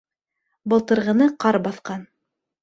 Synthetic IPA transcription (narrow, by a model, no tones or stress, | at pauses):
bɤ̆lˠt̪ɤ̆ɾʁɤ̆nɤqɑɾbɑθqɑn